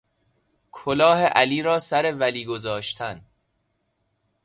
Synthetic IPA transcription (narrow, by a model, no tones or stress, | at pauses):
kʰolɒːheʔæliːɾɒːsæɾe̞væliːɡozɒːʃt̪ʰæn